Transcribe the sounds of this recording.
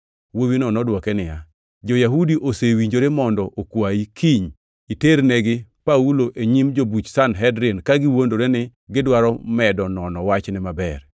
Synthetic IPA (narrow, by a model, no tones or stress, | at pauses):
wowinɔnɔdwɔkɛnɪja | d͡ʒojaɦudiʔosewiɲd͡ʒoɾemɔndɔʔokwaikʰiɲ | iteɾneɡɪpauloʔeɲimd͡ʒobut͡ʃsanɦɛdɾenkaɡɪwondoɾenɪɡɪdwaɾɔmɛdɔnɔnɔwat͡ʃnɪmabɛr